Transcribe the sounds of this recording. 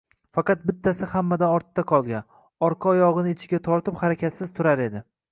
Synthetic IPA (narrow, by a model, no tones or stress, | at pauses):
fɑqɑt̪̚bɪt̪ʰːasɪhamːad̪aɒɾt̪t̪ːaqʰɒlˠɡʲan | ɒɾqʰɑːjɒʁɨnɪɪt͡ʃʰɪɡʲat̪ʰɒɾt̪ɪphaɾakʲʰat̪sɪzt̪ʰʊɾaɾe̞d̪ɪ